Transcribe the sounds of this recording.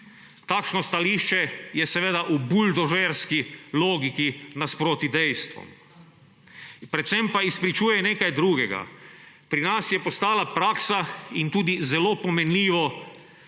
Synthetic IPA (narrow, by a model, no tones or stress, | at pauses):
t̪aːkʃnost̪aliːʃt͡ʃɛjɛsɛʋeːd̪aʔubuld̪oʒeɾskiloːɡikinaspɾoːt̪id̪ɛjst̪ʋɔ̰m | pɾɛt̪sempaispɾit͡ʃuːjɛneːkajd̪ɾuːɡɛɡa̰pɾinasjɛpost̪aːlapɾaːksaint̪uːd̪izɛlopɔmɛnliːʋɔ